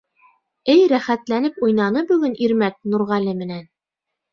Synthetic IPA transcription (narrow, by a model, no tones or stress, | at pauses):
ɘjɾæχæt̪lænɘpujnɑnɤbʉ̆ɡɘnʔiɾmæk̚nuɾʁɑlɘmɘ̆næn